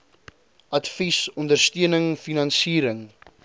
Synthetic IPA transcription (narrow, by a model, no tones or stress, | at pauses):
ɐtfisɔndərstøənəŋfinɐnsiːɾəŋ